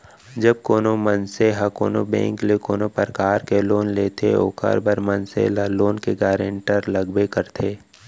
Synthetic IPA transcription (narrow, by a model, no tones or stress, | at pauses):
d͡ʒəb̚koːnomənseɦɐko̰ːnobɛ̰̃ːŋklekoːnopəɾkaːɾkeloːnleːt̪ʰeo̰ːkə̰ɾbəɾmənsḛlloːnkeɡaːɾə̃ɳʈəɾlɐɡbekəɾt̪ʰeː